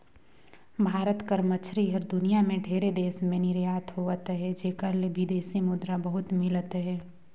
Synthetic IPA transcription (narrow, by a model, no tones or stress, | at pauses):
bʱaːɾət̪kəɾmət͡ʃʰɾiɦɐɾd̪ʊnijamẽɖʱeːɾed̪eːsmẽnɪɾjaːt̪ɦoːʋət̪ɦɛd͡ʒeːkəɾlebʱid̪eːsimʊd̪ɾabɐɦʊt̪mɪlət̪ɦɛː